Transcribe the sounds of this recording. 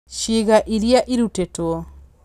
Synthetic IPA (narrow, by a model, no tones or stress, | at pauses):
ʃiɣaʔiɾiaʔiɾutetwɔ